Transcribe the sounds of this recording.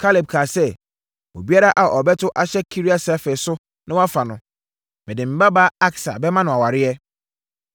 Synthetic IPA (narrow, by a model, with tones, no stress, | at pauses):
kʰa˦lɪ˨b̚kʰaː˨sɛ˦ | o̰˨bi˦a˦ɾa˦ʔa˨ʔɔ˨bɛ˦tʰʊ˦ʔa˨ɕɛ˦kʰi˦ɾi˦a˦sɛ˦fe˨sʊ˦ | nɪ̃˦wa˦fa˨nʊ̃˦ | mɪ̃˨dɪ̃˨m̩˨˦ba˦baː˦a˦ksa̰˨bɛ˦mã˦nʊ̃˨a˨wa˨ɾɪ˦ɛ˦